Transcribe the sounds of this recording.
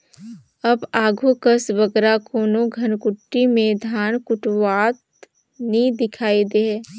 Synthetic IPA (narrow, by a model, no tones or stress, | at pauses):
ɐbaːɡʱukəsʋəɡɾakʰoːnoɡʱɐnkʊʈːimẽd̪ʱaːnkʊʈʋaːt̪ | nid̪ɪkʰaːid̪eɦɛː